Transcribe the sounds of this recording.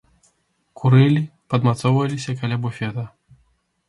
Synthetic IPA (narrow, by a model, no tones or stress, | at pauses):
kʰuɾɨlʲipɐd̪mat̪sɔwvɐlʲisʲɐkalʲabufʲɛt̪ɐ